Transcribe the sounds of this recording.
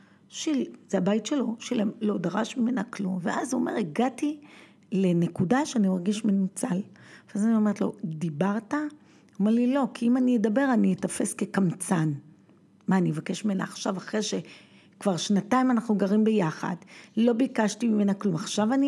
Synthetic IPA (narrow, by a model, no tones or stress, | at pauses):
ʃilzeabajtʃe̞lo̞ʃelemlo̞daʁaʃmime̞naklumveʔazuo̰me̞ʁeɡati | le̞ne̞kudaʃeanimaʁɡiʃmenut͡salveazanio̞me̞ʁet̪lo̞̰dibaʁta | omeʁlilo̞kiimaniedabe̞ʁanietafe̞ske̞kamt͡san | maːnievake̞ʃmimena̰ːχʃavaχʁeʃe | kvaʁʃnataimanaχnuɡaʁimbejaχa̰dlo̞bikaʃtimime̞naklumaχʃavani